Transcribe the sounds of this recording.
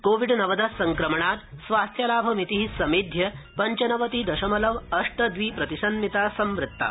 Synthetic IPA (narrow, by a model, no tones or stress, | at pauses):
koʋiɖnɐʋəd̪ɐsɐŋkɾɐmɐɳaːt̪sʋast̪ʰjalaːbʱɐmit̪iɦisɐmeːd̪ʱjɐpɐɲt͡ɕɐnɐʋɐt̪iːd̪ɐɕɐmɐlɐʋɐʂʈɐd̪ʋiːpɾɐt̪isɐnmit̪asɐmʋɾɪt̪ːa̰